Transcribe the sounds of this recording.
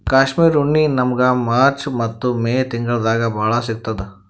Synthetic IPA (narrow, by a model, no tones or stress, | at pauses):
kaːʃmiːɾuɳːinɐmɐɡɐmaːɾt͡ʃmɐt̪ːumeːt̪iŋɡɐɭɐd̪aːɡɐbʱaːɭɐsiɡ̚t̪ːɐd̪e